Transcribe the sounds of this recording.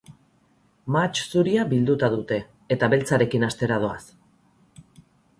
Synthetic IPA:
mat͡ʃsuɾiaβild̪ut̪aðut̪e̞ː | t̪aβe̞lt͡saɾe̞kinast̪e̞ɾað̞oas

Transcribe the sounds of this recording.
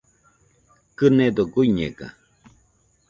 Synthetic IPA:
kɨned̪oɡujɲḛka̰

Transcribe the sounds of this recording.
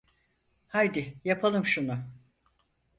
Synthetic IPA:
hajd̪ɪjapʰalˠɯmʃunʊ

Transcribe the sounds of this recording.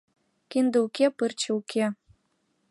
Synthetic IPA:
kind̪əukepɨrt͡ɕĕukʰe

